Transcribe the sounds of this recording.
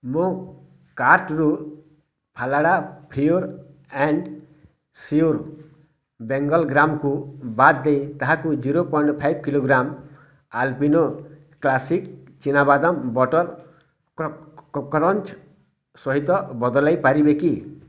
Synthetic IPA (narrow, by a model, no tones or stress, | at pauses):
mõ | kaɾʈɾu | pʰalaɽapʰiuɾ | ɛɳɖ | siuɾ | beŋɡɔlɡɾamkubat̪̚d̪ejt̪aɦakud͡ʒiɾopɔjɳɖpʰajbkiloɡɾam | alpino | klasik | t͡ʃinabad̪ɔmbɔʈɔɾ | kɔɾɔnt͡ʃ | sɔɦit̪ɔbɔd̪ɔlajpaɾibeki